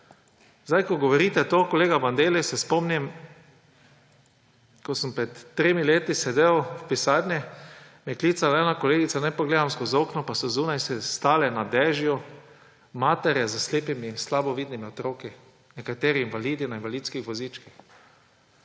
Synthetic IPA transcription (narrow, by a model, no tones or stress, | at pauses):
zd̪ajkɔɡɔʋɔɾit̪ɛt̪oːkɔleːɡaband̪eːlisɛspɔmnim | kɔsəmpɾɛt̪ːɾeːmileːt̪isɛd̪ewwpisaːd̪nɛ | mɛkliːt̪salɛːnakɔleːɡit̪sanɛjpɔɡleːd̪amskozoːknɔpasɔzunajsɛst̪aːlɛnad̪ɛːʒjɔ | maːt̪ɛɾjɛzəsleːpimiːnslabɔʋiːd̪nimiɔt̪ɾoːki | nɛkat̪eːɾiinvaliːd̪inainvaliːt̪skixʋɔzit͡ʃkix